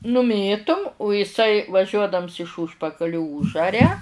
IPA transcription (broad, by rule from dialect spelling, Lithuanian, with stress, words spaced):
nʊˈmʲeːtʊm ʊ ɪˈsɐɪ ʋɐˈʒʲuɔdɐms ɪʃ ˈuːʃpɐkɐlʲʊ ˈuːʒɐrʲɛ